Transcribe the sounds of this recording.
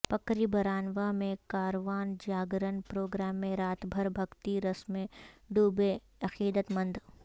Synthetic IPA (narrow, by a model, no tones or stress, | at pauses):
pɐkɾibɐɾaːnʋamẽkaːɾʋaːnd͡ʒaːɡɾənpɾoːɡɾaːmːẽɾaːt̪bʱɐɾbʱɐɡt̪iɾɐsmẽɖuːbe | ɐqiːd̪ət̪mə̃nd̪ʱ